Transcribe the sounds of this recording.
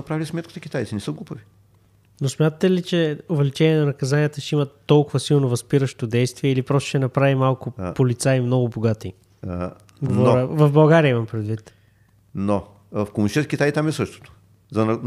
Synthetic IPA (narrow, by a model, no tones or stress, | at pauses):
ɐpɾavilʲismɛt̪kə̥t̪ɛkʲi̥t̪ajt̪ʲinɛsəɡlˠupəvi | nosmʲjat̪ət̪ɛlit͡ʃɛʊvɛlit͡ʃɛniɛnɐnɐkɐzaniət̪əʃt̪ɛimət̪ːɔlˠkʊvəsilˠnovɐspiɾəʃt̪od̪ɛjst̪viɛilipɾɔst̪o̥ʃɛnɐpɾavimalˠkʊpolit̪saimnɔɡʊboɡat̪i | ɡovooɾvɐvbɐlˠɡaɾiəimɐmpɾɛd̪vit̪ | no | fkomunit͡ʃɛt̪kʲit̪ajt̪amɛsɤʃt̪o̥t̪o̥ | zɐnɐ